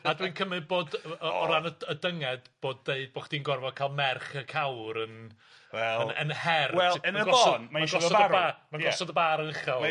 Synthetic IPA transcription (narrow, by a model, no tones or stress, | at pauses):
adwɨnkʰəmɨd̚boːdɔɾanəədəŋɛd̥b̥oːdːeɨd̚boχd̥iːnɡɔrvɔkʰalˠmɛrχəkʰawɾən | ɛənə̰nhɛrwɛlˠəaəɡɔsoːɔnmaaʃɡɔɔdaəɾbamanɡɔsɔdəbaːɾənəχɛlˠ